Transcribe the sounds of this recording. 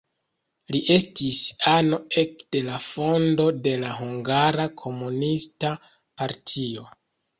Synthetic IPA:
liʔe̞stisano̞e̞kd̥e̞lafo̞ndo̞de̞laɦuŋɡaɾakʰo̞munista | paɾtʰio̞

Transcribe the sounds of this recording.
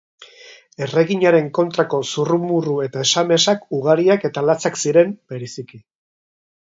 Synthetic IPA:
e̞re̞ɣiɲaɾe̞ŋko̞nt̪ɾako̞surumurue̞t̪aeʃame̞sakuɣ̞aɾiake̞t̪alat͡saksiɾe̞mbe̞ɾesiki

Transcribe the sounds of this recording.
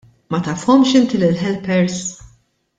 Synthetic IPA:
mɐt̪ɐfhɔmʃɪnt̪ilɪlħɛlpɛɾs

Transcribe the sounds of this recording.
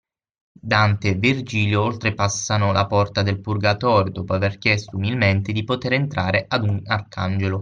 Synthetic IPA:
d̪ant̪evird͡ʒiːljoolt̪ɾepasːanolapɔrt̪ad̪elpurɡat̪ɔːɾjod̪ɔːpoaverk̟jɛst̪oumilment̪ed̪ipot̪eɾent̪ɾaːɾeʔad̪unarkand͡ʒelo

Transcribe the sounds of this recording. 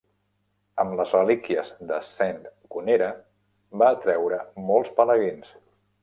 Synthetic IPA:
əmləzrəlikiəzd̪əsɛnt̪kuneɾə | baːt̪ɾɛwɾəmɔlˠspələɣins

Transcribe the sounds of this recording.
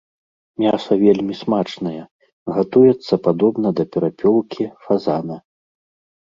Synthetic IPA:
mʲasɐvʲelʲmʲismat͡ʂnɐjɛ | ɣat̪ujɛt̪sːɐpad̪ɔbnɐd̪ɐpʲɛɾapʲɔlˠkʲifazanɐ

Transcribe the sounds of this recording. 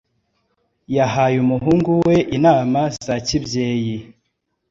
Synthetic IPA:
jaɦajumuɦuːŋɡuwe̞ʔinaːmaz̥acibje̞ːji

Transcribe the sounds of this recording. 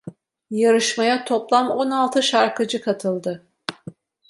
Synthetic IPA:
jaɾɯʃmajat̪ʰo̞plˠamo̞nalˠt̪ʰɯʃaɾkʰɯd͡ʒɯkʰat̪ʰɯlˠd̪ɯ

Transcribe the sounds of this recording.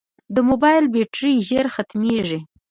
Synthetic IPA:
d̪əmobɑjlbeʈɾiʒeɾxat̪meʐi

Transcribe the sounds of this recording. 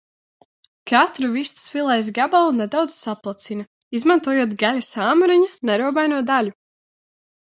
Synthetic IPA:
kʰat̪ɾuvist̪sfilˠɛjs̬ɡabalˠuned̪awd̪z̥saplˠat̪sinɐ | izmant̪uɔjoɔt̪ɡalʲasaːmuɾiɲanɛɾuɔbajnuɔd̪alʲu

